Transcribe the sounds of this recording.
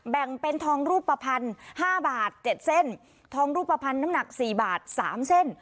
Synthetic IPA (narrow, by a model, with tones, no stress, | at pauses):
bɛ˨˩ŋpe˧nt̪ʰɔː˧ŋɾuː˥˩pːa˧pʰa˧nhaː˥˩baː˨˩t̪̚t͡ɕe˨˩t̪̚se˥˩n | t̪ʰɔː˧ŋɾuː˥˩pːa˧pʰa˧nːa˦˥mna˨˩k̚siː˨˩baː˨˩t̪̚saː˩˦mse˥˩n